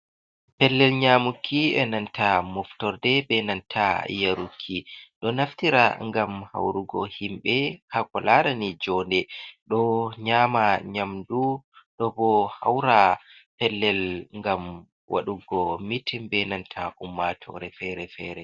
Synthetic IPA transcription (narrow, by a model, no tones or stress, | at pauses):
pɛlːɛlɲamukʰːiɛnantamɔftɔɾdɛbɛnantʰajaɾukʰːiɗɔnaftiɾa̰ŋɡamha̰wɾuɡɔ̰himɓɛkakɔlaɾanid͡ʒɔndɛɗɔɲaːmaɲamduɗɔbɔha̰wɾapɛlːɛlŋɡam | wʔa̰ɗuɡɔmitimbɛnantʰaʔumːatʰɔ̰ɾɛfɛɾɛfɛːɾɛ